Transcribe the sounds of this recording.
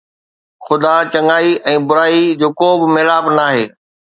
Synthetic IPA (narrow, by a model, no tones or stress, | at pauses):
xʊd̪at͡ɕɐŋaːiɛ̃ːbʊɾaːid͡ʑoːkoːbɪ̆meːlaːbnaːɦeː